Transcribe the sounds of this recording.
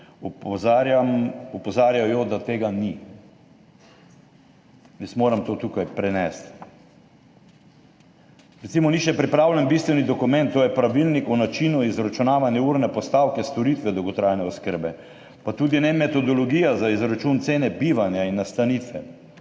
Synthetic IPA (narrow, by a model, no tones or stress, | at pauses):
zɾjamɔpɔzaːɾjajɔd̪at̪eːɡani | jɛsmoːɾamt̪oːt̪ukajpɾɛnɛst̪ | ɾɛt̪simɔniʃɛpɾipɾawlɛnbist̪ʋɛnid̪ɔkumɛnt̪ːoːjɛpɾaʋilnikunat͡ʃinuizɾat͡ʃunaːʋanjɛuɾnɛpɔst̪aːwkɛst̪ɔɾit̪ʋɛd̪owɡɔt̪ɾajnɛɔskəɾbɛ | pat̪uːd̪inɛmɛt̪ɔd̪ɔlɔɡiːjazaizɾat͡ʃunt̪seːnɛbiʋanjainːast̪anit̪ʋɛ